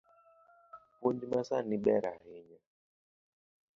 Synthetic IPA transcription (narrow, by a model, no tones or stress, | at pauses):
kund͡ʒimasaniɓɛɾahiɲa